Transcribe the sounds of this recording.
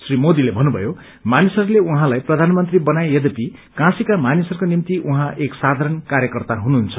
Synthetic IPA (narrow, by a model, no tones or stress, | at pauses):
srimod̪ilebʱʌnːubʱʌ̰jo | manisʌrleuɦãlajprʌd̪ʱanmʌnt̪ribʌnajjʌd̪ʌpikãsikamanisʌrkonimt̪iʔuɦãʔeksad̪ʱaɾʌnkaɾjʌkʌrt̪aɦunuɦːnt͡sʰʌ̥